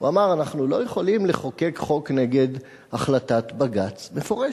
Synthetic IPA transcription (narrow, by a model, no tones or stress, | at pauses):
uamaʁanaχnulo̞je̞χo̞limleχo̞ke̞kχo̞kne̞ɡe̞d | aχlatat̪baɡat͡sme̞fo̞ʁe